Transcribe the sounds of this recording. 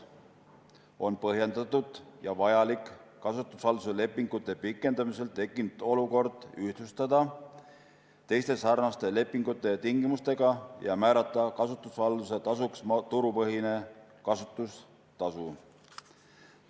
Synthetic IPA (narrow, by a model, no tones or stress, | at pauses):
o̞npɤɦje̞nd̪̥ɑt̪ːud̪̥jɑvɑjɑlikˑkːɑsut̪ːˑusvɑld̪usele̞pːˑiŋɡ̥ut̪ːˑe̞pikːˑe̞nd̪̥ɑmise̞lt̪e̞kːˑint̪o̞luko̞rd̪̥yht̪ust̪ɑd̪ɑ | t̪e̞jst̪e̞sɑrnɑst̪e̞le̞pːˑiŋɡ̥ut̪ːˑe̞t̪iŋɡimust̪e̞ɡ̥ɑjɑmæːɾɑt̪ːˑɑkɑsut̪ˑːusvɑld̪uset̪ɑsuksmt̪uɾupɤɦine̞kɑsut̪ːˑus | t̪ɑsu